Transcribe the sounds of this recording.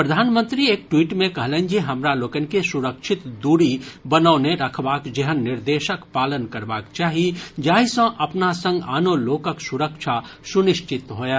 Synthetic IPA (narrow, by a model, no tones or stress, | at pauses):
pɾɐd̪ʱaːnmə̃nt̪ɾieːk̚ʈwiːʈmẽkɐɦlẽːnd͡ʒiɦɐmɾaloːkənkesʊɾəkʃʰɪt̪d̪uːɾibɐnəːneɾɐkʰbaːkd͡ʒɛɦənːɪɾd̪eːʃəkpaːlənkɐɾbaːkt͡ʃaːɦied͡ʒaːisə̃ʔɐpnasɐ̃ŋɡaːnoloːkəksʊɾəkʃʰasʊnɪʃt͡ʃɪt̪ɦoːjaː